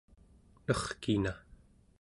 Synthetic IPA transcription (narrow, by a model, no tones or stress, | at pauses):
nʌχkina